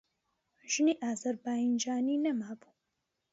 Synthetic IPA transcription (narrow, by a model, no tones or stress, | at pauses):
ʒ̥ɨniːʔaːzɐɾbaːind͡ʒaːniːnɐmaːbu̥